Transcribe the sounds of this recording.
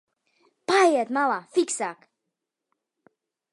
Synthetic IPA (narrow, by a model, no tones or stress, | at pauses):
pajjɛt̪malˠafiksak